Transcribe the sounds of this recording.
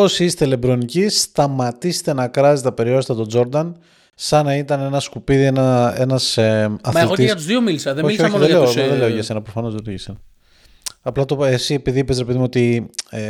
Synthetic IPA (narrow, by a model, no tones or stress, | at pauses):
o̞siist̪e̞le̞bɾo̞nicist̪ɐmɐt̪ise̥t̪enɐkɾɐzet̪ɐpe̞ɾiost̪ɐt̪o̞d͡zo̞ɾd̪ɐn | sɐnɐit̪ɐne̞nɐskupiðie̞nɐe̞nɐsɐθmlɣoɐt̪uzðiomilisɐðemoiiooðeleooðelle̞oʝɐsenɐpɾofɐno̞zðeleʝɐsenɐ | ɐplɐt̪oesie̞piðiipesɾepeðimo̞t̪ie